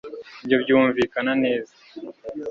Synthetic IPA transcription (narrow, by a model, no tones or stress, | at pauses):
ibjo̞bɟuːɱviːkanane̞ːza